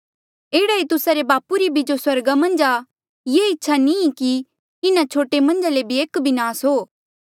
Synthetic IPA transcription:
eːɽait̪ʊsaɾebaːpuɾibʱid͡ʒoswɐɾɡamɐ̃nd͡ʒa | jeːɪtːʃʰanĩki | ɪnat͡ʃʰoːʈemɐ̃nd͡ʒalebʱieːkbʱɪnaːsɦoː

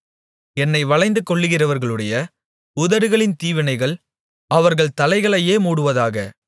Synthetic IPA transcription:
ɛnːɐɪʋɐɭɐɪnd̪ɯkːɔɭːɯɣɪrɐʋɐɾɣɐɭɯɽɐjɐ | ʊðɐɾɯɣɐɭɪnt̪iːʋɪnɐɪɣɐɭ | ɐʋɐɾɣɐɭt̪ɐlɐɪɣɐɭɐjeːmuːɽɯʋɐðaːɣɐ

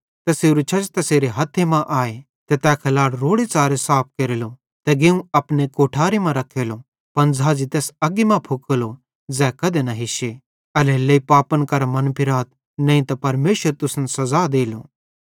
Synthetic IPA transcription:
t̪ɛseːɾut͡ʃʰɐt͡ʃt̪ɐseːɾeɦɐt̪ʰːemãʔaːe | t̪ɛt̪ɛːkʰɐlaːɽɾoːɽet͡saːɾesaːp̚ʰkeːɾelo | t̪ɛɡeũɐpnekoːʈʰaːɾemãɾɐkʰːeːlo | pɐnd͡zaːd͡ʒit̪ɛːsɐɡimãpʰʊkəlo | d͡zɛːkɐd̪enɐɦɪʃe | ɐlelːeipaːpənkɐɾamɐnpʰɪɾaːt̪̚ | nɐ̃ĩt̪ɐpɐɾmeːʃəɾt̪ʊsnsɐzaːd̪eːlo̰ː

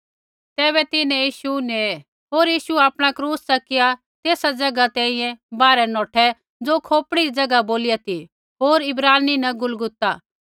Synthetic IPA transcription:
t̪ɛːβɛt̪ɪnɛ̃jiːʃunɛ | ɦoːɾjiːʃuaːpɽ̃akɾuːssɐkɪja | t̪eːsad͡zɐɡat̪ɛ̃ːĩjɛ̃baːɾɛnɔːʈʰɛ | d͡zoːkʰoːpɽiid͡zɐɡaboːlɪjat̪i | ɦoːɾɪbɾaːninɐɡʊlɡʊt̪aː

